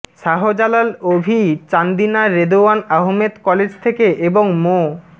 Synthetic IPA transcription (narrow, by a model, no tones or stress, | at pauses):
ʃaɦod͡ʑalalobʱit͡ɕand̪inaɾed̪oanaɦmed̪kɔled͡ʑt̪ʰekeʔeboŋmo